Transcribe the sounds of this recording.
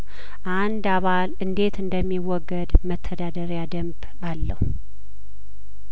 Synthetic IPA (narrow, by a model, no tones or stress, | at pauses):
ʔand̪aβalɨnd̪e̞t̪ɨnd̪əmːiwɔɡːəd̪mət̪ʰːəd̪ad̪əɾjad̪əmb | alːəhu